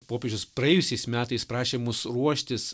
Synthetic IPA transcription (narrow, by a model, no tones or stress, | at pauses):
poːpʲeːd͡ʒʲʊspɾɐjɛjʊsʲɛɪsmʲæːt̪ɐɪspɾɑːʃʲeːmʊsɾuɔʃʲt̪ʲɪs